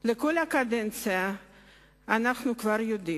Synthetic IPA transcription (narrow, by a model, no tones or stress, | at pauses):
leko̞lakad̪ent͡sɨa | anaχnukvaɾjod̪i